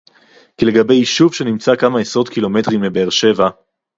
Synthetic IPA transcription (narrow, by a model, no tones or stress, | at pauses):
kile̞ɡabe̞jiʃuvʃe̞nimt͡sakamaesʁo̞t̪kilo̞metʁimːebeːʁʃe̞va